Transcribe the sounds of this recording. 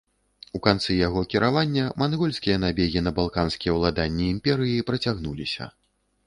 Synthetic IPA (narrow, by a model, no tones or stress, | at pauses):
ukant̪sɨjaɣɔkʲiɾavanʲːɐmanɣɔlʲsʲkʲijɐnabʲeɣʲinɐbalˠkanskʲijɛwlˠad̪anʲːiːmpʲɛɾɨjipɾɐt͡sʲaɣnulʲisʲɐ̰